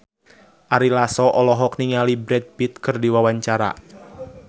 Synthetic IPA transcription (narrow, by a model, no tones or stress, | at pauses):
ʔaɾilasɔʔɔlɔɦɔk̚niŋalibɾɛd̪̚bit̪̚kɨrdiwawaɲt͡ʃaɾa̰